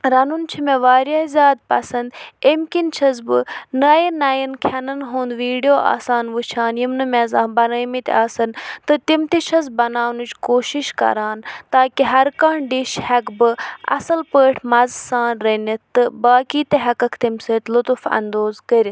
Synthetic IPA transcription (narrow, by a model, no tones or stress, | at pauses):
ɾɐnunt͡ʃʰimeʋaːɾjaːzʲjaːd̪̚pɐsɐnd̪imkint͡ʃʰɐzbɨnɐjinɐjinkʰɐnɐnɦoːnd̪ʋiːɖijoːʔa̰ːsaːnʋɨt͡ʃʰaːnjimnɨmezaːnbɐnɐmit̪ʲaːsɐnt̪ɨt̪imt̪it͡ʃʰɐz̬bɐnaːnut͡ʃkoːʃiʃkɐ̰ɾaːnt̪aːkiɦɐɾkaːɳɖiʃhɐkbɨɐ̰sɐlpəːʈʰmɐzsaːnɾɐnit̪ɨbaːkiːt̪eɦɐkɐkʰt̪imsɨːt̪ʲlut̪ufɐ̰nd̪oːzkəɾʲit̪